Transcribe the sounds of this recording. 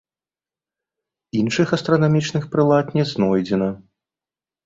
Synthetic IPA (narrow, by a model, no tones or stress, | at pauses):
inʂɨxɐst̪ɾɐnamʲit͡ʂnɨxpɾɨlˠat̪nʲɛznɔjd͡zʲɛnɐ